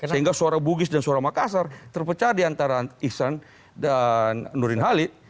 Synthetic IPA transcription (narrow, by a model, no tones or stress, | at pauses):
səɦiŋɡasooɾabuɡɪsdansooɾamakasart̪ərpət͡ʃardiant̪aɾaisan | danːuɾɪnɦalɪt̪̚